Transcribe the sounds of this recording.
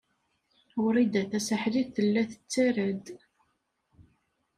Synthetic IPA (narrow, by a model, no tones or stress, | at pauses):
wɾid̪æθæsəħðiθθəlːæθə̥t͡sːæɾəd̪